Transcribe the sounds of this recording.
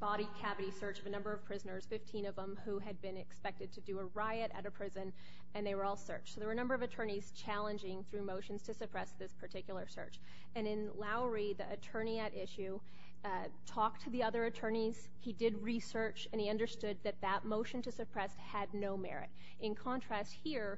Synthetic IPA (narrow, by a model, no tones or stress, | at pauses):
b̥ɑɾikʰævɨɾisɜ˞t͡ʃʌvɨnʌ̃mbə˞ʌv̥pʰɹ̥ɪznə˞z̥fɪftʰĩnʌvə̃mhuɨd̚bɨ̃nɨkspɛk̚tɨd̚tʰɨdɨəɹaɪɨɾɨ̰ɾɨpʰɹ̥ɪzɨ̃n | ɨ̃nðeɪwə˞ɔlˠsɜ̰˞t͡ʃsoʊðəwə˞ɨ̃nʌ̃mbə˞ʌvɨtʰɜ̃˞niz̥t͡ʃʰælˠə̃nd͡ʒɪ̃ŋθɹʉmoʊʃn̩z̥tʰɨsɨpʰɹ̥ɛsðɪspʰə˞tʰɪkjl̩ˠə˞sɜ̰˞t͡ʃ | ɨ̃nɨ̃nlaʊ˞iðiɨtʰɜ̃˞niɨɾʔɪʃʉ | tʰɔk̚tʰɨðiʌðə˞ɨtʰɜ̃˞niz̥ | idɪd̚ɹisɜ˞t͡ʃɨ̃niʌ̃ndə˞stʊd̪̚ðɨt̪̚ðət̚moʊʃɨ̃n̩tʰɨsɨpʰɹ̥ɛshɨdⁿnoʊmɛ̰ɹɨ̰ɾ | ɨ̃nkʰɑ̃ntʰɹ̥æst̚hiɹ